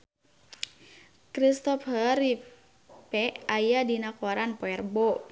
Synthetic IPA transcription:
kɾist̪ɔfhəɾi | pɛʔajadinakoɾanpoɛrbɔ

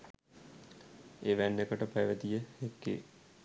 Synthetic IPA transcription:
eːʋæɳɖekəʈəpɐjʋəd̪ijəhekːḛ

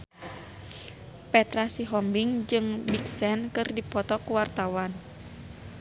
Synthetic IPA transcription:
pɛt̪ɾasiɦɔmbiŋd͡ʒɨŋbiksɛnkɨrdipɔt̪ɔkuwart̪awan

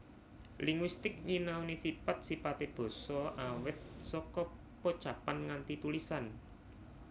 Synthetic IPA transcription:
liŋwist̪ɪk̚ɲinawnisipat̪̚sipat̪eb̥o̤sɔʔawɪt̪̚sɔkɔ | pot͡ʃapanŋant̪it̪ulisan

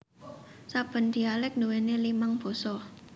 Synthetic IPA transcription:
sab̥ə̤nd̪̥i̤alɪk̚nuwenelimaŋb̥ɔ̤sɔ

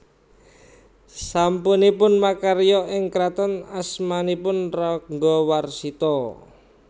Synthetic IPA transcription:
sampunipʊnmakaɾijɔʔɪŋkɾat̪ɔnasmanipʊnrɔŋɡɔwarsit̪ɔ

